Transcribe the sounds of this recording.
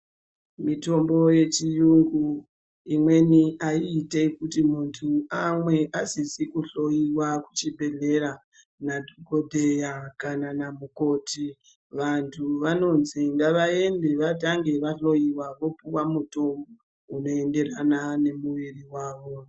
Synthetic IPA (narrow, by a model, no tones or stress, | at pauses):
mito̞mbo̞je̞t͡ʃijuŋɡu | imwe̞niʔaiːte̞kutimuntʰuamwe̞ʔasisikuɬo̞jiwaku̥t͡ʃibʱe̞ɮe̞ɾa | nadʱiɡo̞dʱejakananamuko̞ti | ʋantʰuʋano̞nziŋɡaʋae̞nde̞ʋataŋɡe̞ʋaɬo̞jiwaʋo̞puwamuto̞mbo | uno̞e̞nde̞ranane̞muʋiriwaːʋo̞